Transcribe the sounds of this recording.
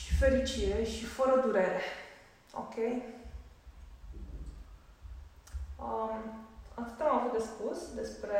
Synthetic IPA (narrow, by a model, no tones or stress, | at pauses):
ʃi̥fe̞ɾit͡ʃiɾeʃifəɾəd̪uɾe̞ɾe | o̰kʲʰe̞j | əmat̪ɨt̪amavut̪̚d̪e̞spusd̪e̞spɾe̞